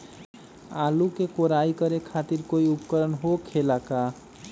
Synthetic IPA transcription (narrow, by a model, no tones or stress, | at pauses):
alukekoɾaikʌɾekʰat̪iɾkoiupkəɾənɦokʰelaka